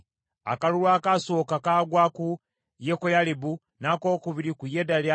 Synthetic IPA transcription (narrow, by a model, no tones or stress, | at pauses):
a̰kalulwaːkasoːkakaːɡwaːku | jekojalibu | nakoːkuβiɾikujedalja